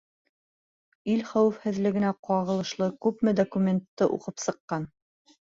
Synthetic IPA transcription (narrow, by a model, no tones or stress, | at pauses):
ilχæwɘ̆fhɘ̆ðlɘ̆ɡɘ̆næqɑʁɤ̆lˠɤ̆ʃlˠɤkʉpmɘd̪okumʲent̪ːɤʔṵqɤpsɤ̆qːɑn